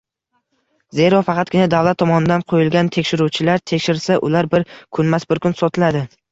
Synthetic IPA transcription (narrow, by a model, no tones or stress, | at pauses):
ze̞ɾɒfɑqʰɑt̪̚ɡʲɪnad̪avlat̪ʰːɒmɒnɪd̪anqʰojɪlɡʲant̪ʰe̞kʲʃɪɾut͡ʃʰɪlaɾt̪ʰe̞kʲʃɪɾsaʔʊlaɾbɪɾkʰʊnmasbɪɾkʰʊnsɒt̪ʰɪlad̪ɪ